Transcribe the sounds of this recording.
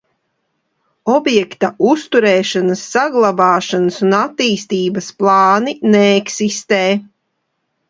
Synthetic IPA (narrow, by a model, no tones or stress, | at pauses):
ɔbjɛkt̪aust̪uɾɛːʃanasːaɡlˠabaːʃanasunat̪ːiːst̪iːbɐsplˠɑːninɛɛksist̪eː